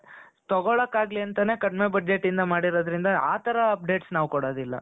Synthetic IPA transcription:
t̪ɔɡɔɭɐkːaːɡliɐnt̪ɐne̞ːkɐɽme̞bɐd͡ʒe̞ʈːind̪ɐmaːɽiɾoːd̪ɐɾind̪ɐaːt̪ʰɐɾɐːp̚ɖe̞ːʈsnaːʋkɔɽoːd̪ilːɐ̰

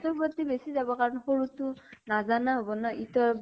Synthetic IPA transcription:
tɔpɔt̪ibesizabɔkaɹɔnxoɹutʊnazanaɦobɔnɔitɔ

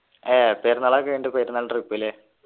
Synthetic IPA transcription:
eːpeːrnɐɭaːkːʋeːɳɖɨpeːɾnːaːlʈripːile

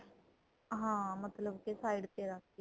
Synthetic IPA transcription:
ɦãːmət̪ləbkesaːiɖt̪eːɾəkʰː

